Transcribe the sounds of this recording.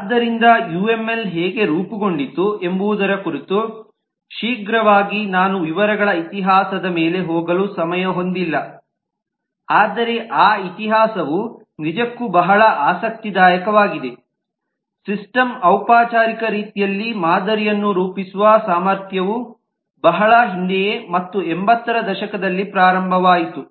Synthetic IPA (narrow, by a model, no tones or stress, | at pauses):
d̪ːɐɾind̪ɐjuːe̞mːe̞lɦɛːɡe̞ɾuːpuɡo̞ɳɖit̪ːue̞mbuʋːd̪ɐɾɐkuɾit̪u | ʃiːɡɾɐʋaːɡinaːnuʋiʋɐɾɐɡɐɭɐit̪iɦaːsɐd̪ɐmeːle̞ɦoːɡɐlusɐmɐjɐɦo̞nd̪ilːɐ | aːd̪ɐɾe̞ʔaːit̪iɦaːsɐʋu | nid͡ʒɐkːubɐɦɐɭɐʔaːsɐk̚t̪id̪aːjɐkɐʋaːɡid̪e̞ | sisʈɐmɐwpaːt͡ʃaːɾikɐɾiːt̪ijɐlːimaːd̪ɐɾijɐnːuɾuːpisuʋaːsaːmɐɾt̪ʰjɐʋu | bɐɦɐɭɐɦind̪ɛjemɐt̪ːuembɐt̪ːɐɾɐd̪ɐʃɐkɐd̪ɐlːipɾaːɾɐmbʱɐʋaːjit̪u